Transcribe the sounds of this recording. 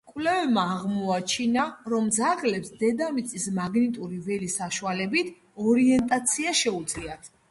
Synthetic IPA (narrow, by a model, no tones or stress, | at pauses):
kʼwlɛvɛbmaːʁmɔat͡ʃʰinaɾɔmd̪zaʁlɛpsd̪ɛd̪amit̪sʼismaɡnit̪ʼuɾivɛlisaʃualɛbit̪ʰ | ɔɾiɛnt̪ʼat̪sʰiaʃɛud̪zʼliat̪ʰ